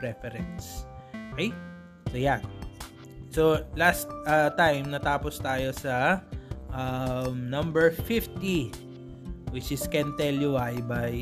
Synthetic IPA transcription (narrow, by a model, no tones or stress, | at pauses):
pɹɛfɛɾɛ̃nsʔokɛj | sojan | solast̪̚ʔɐt̪ajmnɐt̪aːpost̪aːjo̞sɐ | ʔɐmnɐ̃mbɛɹfift̪i | wɪt͡ʃɪskɛ̃nt̪ɛljuwajbaj